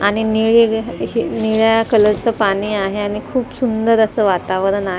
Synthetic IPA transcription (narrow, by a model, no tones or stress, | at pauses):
aɽ̃iniɭeɦiniɭjakələɾt͡səpaɽ̃iːaɦeaɽ̃ikʰuːpsund̪əɾəsəʋat̪aʋəɾənaɦ